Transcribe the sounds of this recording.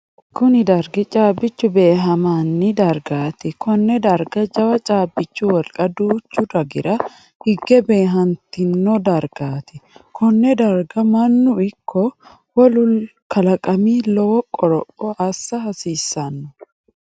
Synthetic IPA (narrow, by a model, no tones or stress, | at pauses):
kʊnɪd̪ɐɾɡɛt͡ʃʼaːbːɪt͡ʃːʊbe̞ːɦɐmaːnːɪd̪ɐɾɡaːt̪ɛkɔnːɛd̪ɐɾɡɐd͡ʒʼɐwɐt͡ʃʼaːbːɪt͡ʃːuwɐlkʼɐd̪uːt͡ʃːʊd̪ɐɡɪɾɐ | hɪɡːɛbe̞ːɦɐnt̪ɪnːɔd̪ɐɾɡaːt̪ɪkʰɔnːɛd̪ɐɾɡɐmɐnːʊɪkʰːɔ | wɔlʊlkʰɐlɐkʼɐmiːlɔwɔkʼɔɾɔpʼːɔɐsːɐɦɐsiːsːɐnːʊ̥